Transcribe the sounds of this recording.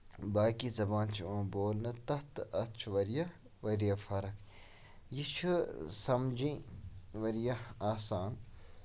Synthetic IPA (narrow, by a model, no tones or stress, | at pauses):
baːkizɐbãːnt͡ʃʰiãːboːlnɐt̪ɐht̪ɐt͡ʃʰuʋɐɾjɐ | ʋɐɾjɐfɐɾɐkʰ | jit͡ʃʰusɐmd͡ʒĩʋɐɾjɐaːsaːn